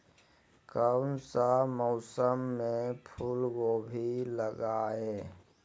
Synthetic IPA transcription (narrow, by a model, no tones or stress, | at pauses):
kənsamɔːsəmːẽpʰulɡoːbʱiləɡaeː